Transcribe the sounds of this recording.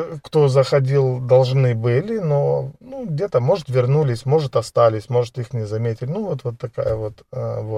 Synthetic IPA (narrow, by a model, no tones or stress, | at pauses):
kt̪o̞zəxɐdʲilˠd̪ɐlˠʐnɨbɨlʲɪnonuɡdʲe̞t̪əmo̞ʐɨt̪vʲɪrnulʲɪsʲmo̞ʐɨt̪ɐst̪alʲɪsʲmo̞ʐɨt̪ixnʲɪzɐmʲetʲɪlʲnuvot̪vo̞t̪ːɐka̰jəvo̞t̪əvo